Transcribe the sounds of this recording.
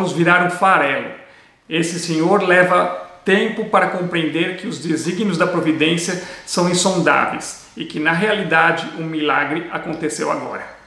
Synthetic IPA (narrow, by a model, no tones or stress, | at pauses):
mʊzviɾaɾʊ̃faɾɛlʊ̰ | esɪsẽɲoɾlɛvɐt̪ẽmpʊpaɾɐkõmpɾẽnd̪eɾkɪʊzd̪eziɡnʊzd̪ɐpɾovid̪ẽsjɐsɐ̃w̃ẽsõnd̪a̰vḛjs | ɪkɪnɐɦealid̪ad͡ʒɪʔumilaɡɾɪʔakõnt̪esewa̰ɡɔ̰ɾɐ